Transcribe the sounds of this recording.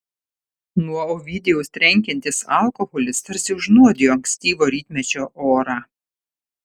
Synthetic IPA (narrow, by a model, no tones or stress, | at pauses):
nuɔoːʋʲɪd̪ʲɛjɛʊst̪ʲɾʲɛŋʲkʲɛnʲt̪ʲɪsɐ̰lˠkɔɣɔlʲɪst̪ɐɾʲsʲɪʊʒnuɔd̪ʲejoːɐŋksʲt̪ʲiːʋoːɾʲiːt̪ʲmʲɛt͡ʃʲoːʔoːɾɑː